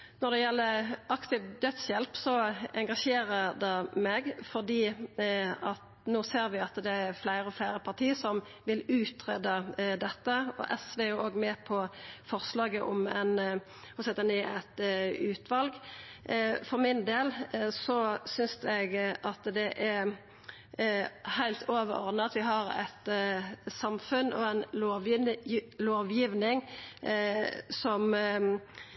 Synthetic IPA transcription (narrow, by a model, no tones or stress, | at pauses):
nɔd̪ɛjɛlːəɾʔɑkt̪ɪʋd̪œt̪sjɛlpsɔɛŋɡɑʂeːɾəɾd̪ɛmɛɡfɔʁd̪iː | ɑt̪ | nuːseːɾʋɪɑt̪d̪ɛæɾflæɪɾəɔflæɪɾəpʰɑt̪ʰiːəsɔm | ʋɪlʉːt̪ɾɛd̪əd̪ɛt̪ːəɔ̰ʔɛsʋejʊoːɡmɛpʰɔfɔʁslɑːɡəʔɔ̰mɛ̰n | hɔsɛt̪ənɪɛt̪ʉːt̪ʋɑlɡ | fɔʁmɪnd̪eːlsɔsʏnsɛɡʔɑt̪d̪ɛʔæɾ | hæɪlt̪ʰoːʋə̰ɾɔ̰ʁd̪nəɑt̪ʋɪɦɑɾɛ̰t̪ | sɑmfʉnɔ̰ɛnloː | loːʋjiːʋnɪŋ | sɔm